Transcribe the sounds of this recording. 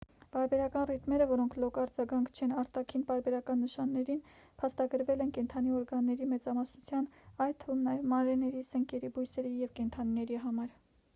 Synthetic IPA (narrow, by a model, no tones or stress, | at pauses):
pɑɾbɛɾɑkɑnrit̪mɛɾəvɔɾɔŋkʰlɔkɑɾd͡zɑɡɑŋkʰt͡ʃʰɛnɑɾt̪ɑkʰinpɑɾbɛɾɑkɑnːəʃɑnːɛɾin | pʰɑst̪ɑɡəɾvɛlɛnkɛnt̪ʰɑniɔɾɡɑnːɛɾimɛt͡sɑmɑsnut͡sʰjɑnɑj̪t̪ʰːəvumnɑjɛvmɑnɾɛnɛɾisəŋkɛɾibujsɛɾijɛvkɛnt̪ʰɑninɛɾiɦɑmɑɾ